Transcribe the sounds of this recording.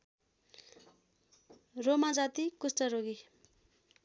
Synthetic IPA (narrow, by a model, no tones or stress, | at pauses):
romad͡zat̪ikusʈʌɾoɡi